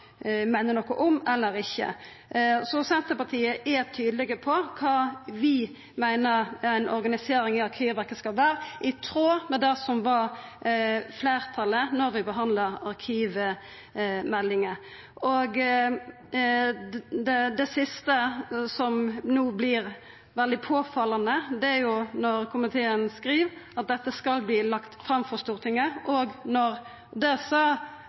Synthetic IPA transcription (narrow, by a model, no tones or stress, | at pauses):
mæɪnənɔkːʊʔɔmɛlːəɾɪçːə̰ | sɔsɛnt̪əpɑt̪ʰiːəʔæt̪ʰyːd̪əlɪɡəpʰɔkʰɑːʋɪ | mæɪnəɾæɪnʔɔɾɡɑnɪseːɾɪŋɪɑɾkʰiːʋʋæɾkːəskɑlʋæːɾəʔɪt̪ʰɾoːmɛd̪ɛsɔmʋɑɾ | fleːɾt̪ʰɑlənɔɾʋɪbəɦɑnd̪ləɾɑɾkʰiːʋə | mɛlːɪŋə | ʔoːɡ | d̪ɛd̪ɛsɪst̪əsɔmnuːblɪːɾ | ʋɛld̪ɪpʰoːfɑlːɑnəd̪ɛæɾjʊnɔɾkʰʊmɪt̪ʰeːənskɾiːʋɑt̪̚d̪ɛt̪ːəskɑlbliːlɑkt̪fɾɑmfɔʁst̪uːʁt̪ɪŋəʔɔːɡnɔɾ | d̪ɛsɑ